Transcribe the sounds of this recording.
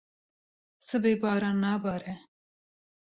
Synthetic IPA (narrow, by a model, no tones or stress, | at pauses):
sɨbeːbɑːɾɑːnːaːbɑːɾɛ